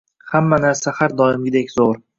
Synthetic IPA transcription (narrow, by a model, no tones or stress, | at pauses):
hamːanaɾsahaɾd̪ɒɪmɡʲɪd̪ekʲz̥oɾ